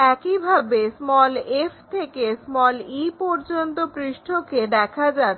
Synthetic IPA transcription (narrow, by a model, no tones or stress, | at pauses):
ɛkibʱabesmɔleft̪ʰekesmɔlipɔɾd͡ʑont̪opɾiʃʈʰoked̪ɛkʰad͡ʑat̪ː